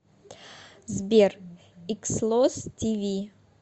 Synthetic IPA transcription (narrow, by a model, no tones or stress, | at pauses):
zbʲeɾ | ikslˠostʲivʲi